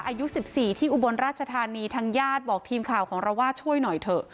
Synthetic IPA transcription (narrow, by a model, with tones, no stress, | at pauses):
ʔaː˧ju˦˥si˨˩p̚siː˨˩t̪ʰiː˥˩ʔu˨˩bo˧nɾaː˥˩t̪̚t͡ɕʰa˧t̪ʰaː˧niː˧t̪ʰaː˧ŋjaː˥˩t̪̚bɔː˨˩k̚t̪ʰiː˧mkʰaː˨˩wkʰɔː˩˦ŋɾa˧wːaː˥˩t͡ɕʰu˥˩əjnɔ˨˩jt̪ʰɤ˨˩ʔ